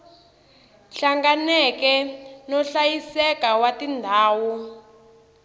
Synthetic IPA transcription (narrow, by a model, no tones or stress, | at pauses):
ɬaŋɡanɛkɛnɔɬajisɛkawatindʱaːwu